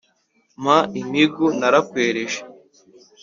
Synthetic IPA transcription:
maimiɡunaɾakweːɾeʒe

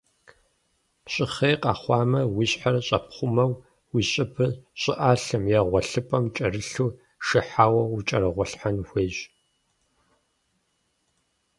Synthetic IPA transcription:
ɕʼɪχejqɑ̰ːχʷɑːmɐwiɕħarɐɕʼɐpʰχʷʊmɐw | wiɕʼɪbɨɕʼɪʔaːɬɨmjɛʁʷɔɬɨpʼɐmt͡ʃʼɐrɨɬuː | ʃɪħaːwɐwʊt͡ʃʼɐɾɨʁʷɔɬħanxʷeːɕ

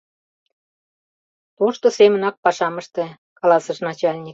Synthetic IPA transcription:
t̪onʃt̪osemə̆nɑk̚pɑʃɑməʃt̪e | kɑlɑsəʃnɑt͡ɕɑlʲnʲik

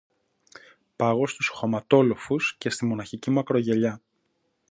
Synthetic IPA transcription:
pɐɣo̞st̪usxomɐt̪o̞lo̞fusce̞st̪imo̞nɐçicimɐkɾo̞ʝe̞ʎɐ

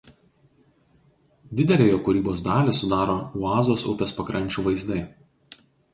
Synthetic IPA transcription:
d̪ʲɪd̪ʲɛlʲeːjoːkʊɾʲiːboːsd̪ɑːlʲesʊd̪ɑːɾoːuɑːzoːsʊpʲɛspɐkɾʔɐnʲt͡ʃʲuːʋɐɪzd̪ɐɪ

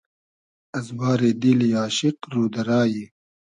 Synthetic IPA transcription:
ɐzbaːɾed̪iljaːʃɪqɾuːd̪ɐɾaːji

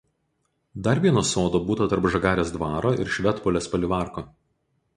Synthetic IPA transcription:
d̪ɐɾʋʲiɛnoːsoːd̪oːbuːt̪ɐt̪ɐɾpʒɐɡɑːɾʲeːsd̪ʋɑːɾoːʔɪ̰ɾʃʲʋʲɛt̪pɔlʲespɐlʲɪʋɑˑɾko

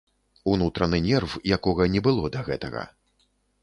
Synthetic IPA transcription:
unut̪ɾɐnɨnʲɛrfjakɔɣɐnʲɛbɨlˠɔd̪ɐɣɛt̪ɐ̰ɣɐ̰

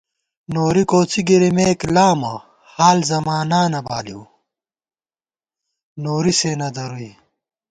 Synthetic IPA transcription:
noːɾikoːt͡siɡiɾimeːklaːmɐ | haːlzɐmaːnaːnɐbaːliw | noːɾisenɐd̪ɐɾui

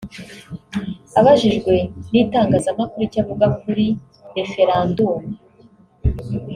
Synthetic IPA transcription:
aβaʒiʒɡwe̞niːtaːŋɡaːzamakuɾucaβuɡakuɾi | ɾe̞fe̞ɾaːndume

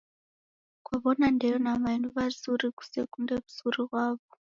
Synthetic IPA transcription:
kwaβonandejonamainuʋazuɾiku̥sḛkundeβu̥zurirwaːβo

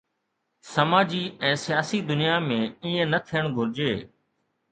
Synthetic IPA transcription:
sɐmaːd͡ʑiɛ̃ːsɪjaːsid̪ʊnijamẽːiːẽnɐt̪ʰijəɽ̃ɡʱʊɾɪd͡ʑeː

